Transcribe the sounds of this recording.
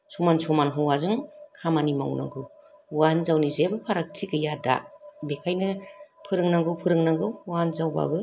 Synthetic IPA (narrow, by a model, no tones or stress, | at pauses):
sɔmansɔmanɦɯwazɯŋkʰamanima̰wna̰ŋɡɯw | wanzawnizebɯpʰaɾak̚tʰiɡɯjada̰bekʰajnɯpʰɯɾɯŋnaŋɡɯwpʰɯɾɯŋnaŋɡɯwwanzawba̰bɯ